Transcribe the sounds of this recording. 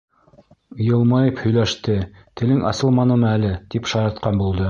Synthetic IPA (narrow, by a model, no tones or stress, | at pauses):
jɤ̆lˠmɑjɤphɵ̆jlæʃt̪ɘ | t̪ɘ̆lɘŋʔɑ̰sɤlˠmɑnɤ̆mɤælɘt̪ipʃɑjɑt̪qɑnbulˠd̪ɤ